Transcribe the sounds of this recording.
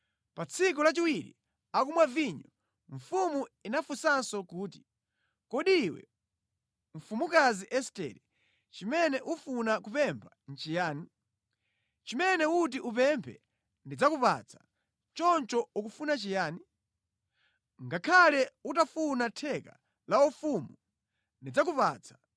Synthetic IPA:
pat͡sʰik̬ulat͡ʃiwiɾḭ | ak̬umwaviɲɔ | ɱ̩fumuinafusansɔkuːt̬i̥ | kɔɗiːwɛ̰ | ɱ̩fumukaziʔɛstɛ̰ɾɛ | t͡ʃimɛnɛʔufunakupɛmpʰan̩t͡ʃijaːni | t͡ʃimɛnɛut̬iʔupɛmpʰɛ̰ | ndid͡zakupa̰t͡sʰḁ | t͡ʃɔnt͡ʃɔuk̬ufunat͡ʃijaːni | ŋɡakʰalɛutafunatʰɛka̰ | laufumu | ndid͡zak̬upaːt͡sʰḁ

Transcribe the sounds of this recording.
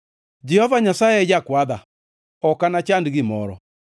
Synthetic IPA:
d͡ʒɛhɔvaɲasaɛjakwaða̰ | ɔkanat͡ʃandiɣemɔɾɔ̰

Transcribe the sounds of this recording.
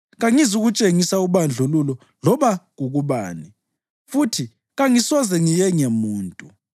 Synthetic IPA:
ɣaŋizuɣut͡ʃʼeŋisauβand͡ɮʱululɔ | lɔβaɣuɣuβa̰ːni | futʰi | ɣaŋisɔzɛŋijɛŋɛmuːntʼu

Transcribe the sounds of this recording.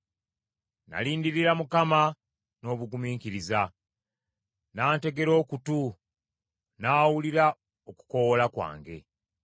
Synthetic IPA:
na̰liːndiɾiɾamukama | no̞ːβuɡumiːŋkiɾiza | naːnte̞ɡe̞ɾo̞ːkutu | naːwuliɾa | oku̥ko̞wolakwa̰ːŋɡe̞

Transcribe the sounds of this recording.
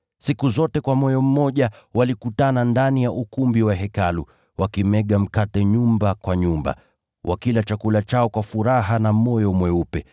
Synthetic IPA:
sikuzɔtɛkwamɔjɔm̩mːɔʄawalikutanandanijaʔukumbiwaɦɛkalṵ | wakimɛɠam̩katɛɲumbakwaɲumba̰ | wʔa̰kilat͡ʃakulat͡ʃaɔkwafuɾaɦanamɔjɔmwɛupɛ

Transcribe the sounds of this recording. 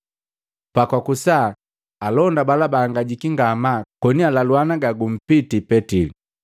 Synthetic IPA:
pakwakusa | alɔndabalabaːŋɡaɟikiŋɡamakɔnialalwanaɡaɡum̩pitipɛtili

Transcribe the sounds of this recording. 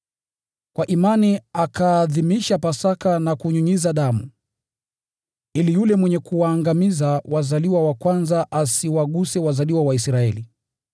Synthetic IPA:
kwaʔimaniakaːðimiʃapasakanakuɲuɲizaɗamu | ilijulɛmwɛɲɛkuwaːŋɡamizawazaliwawakwanzaʔasiwaɠusɛwazaliwawaisɾaɛli

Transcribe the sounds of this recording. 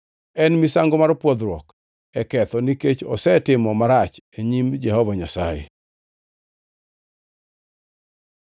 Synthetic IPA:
ɛnmisaŋɡɔmaɾpwɔd̪ɾwɔ̰k | ɛkɛt̪ɔniket͡ʃɔ̰sɛtɪmɔmaɾat͡ʃ | eɲimd͡ʒɛhɔvaɲasajḛ

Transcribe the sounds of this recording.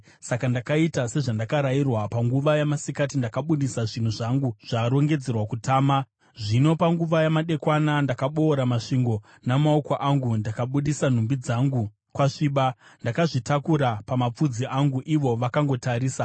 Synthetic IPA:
sakandakaitase̞ʐandakaɾairwapaŋɡuʋajamasikat̬indakaɓuɗisaʐin̤uʐaŋɡuʐ̥aɾo̞ŋɡe̞d͡ze̞rwakutaːma | ʐino̞paŋɡuʋajamaɗe̞kwanandakaɓo̞ːɾamaʂiŋɡo̞ | namaokwaʔaŋɡundakaɓuɗisan̤umbid͡zaŋɡu | kwaʂiːɓandakaʐitakuɾapamap͡fud͡ziʔaŋɡuʔiʋo̞ʋakaŋɡo̞taɾiːsa

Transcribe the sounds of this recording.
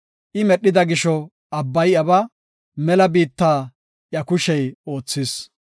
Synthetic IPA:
ʔɪmɛɗːɪd̪ɐɡɪʃɔ | ɐbːɐjɐbɐ | mɛlɐbiːt̪ːaː | ʔjɐkʊʃɛjo̞ːt͡sːɪs

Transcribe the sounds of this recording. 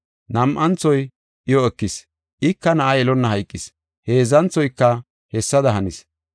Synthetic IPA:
nɐmʔɐnt͡sːɔj | ʔɪjɔɛkːɪs | ʔɪkːɐnɐʔɐjɛlɔnːɐɦɐjkʼːɪs | he̞ːzɐnt͡sːɔjkːɐ | hɛsːɐd̪ɐɦɐnɪs

